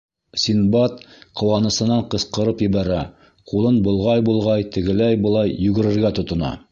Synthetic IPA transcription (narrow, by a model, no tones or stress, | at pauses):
sʲinbɑt̪qŏwɑnɤ̆sɤ̆nɑɴqɤ̆sqɤ̆ɾɤpjɘ̆βæɾæ | qulˠɤnbŏlˠʁɑjbulˠʁɑjt̪ɘ̆ɡɘ̆læjbɤ̆lˠɑjːɵ̆ɡɘ̆ɾɘ̆ɾɡæt̪ŏt̪ŏnɑ̰